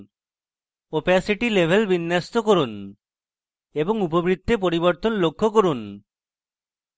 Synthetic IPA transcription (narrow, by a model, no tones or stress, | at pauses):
opɛsiʈilebʱelbinːast̪okoɾun | eboŋupobɾid̪ʱːep̬oɾiboɾt̪onlokʰːokoɾun